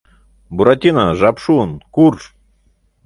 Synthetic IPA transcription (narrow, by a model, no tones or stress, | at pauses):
buɾat̪ʲinaʒapʂunkur